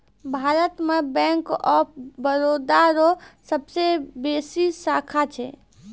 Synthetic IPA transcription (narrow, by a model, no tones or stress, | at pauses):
bʱaɾət̪mebɛ̃ŋkɔbəɾod̪aɾosəbsebesisakʰat͡ʃʰɛ̰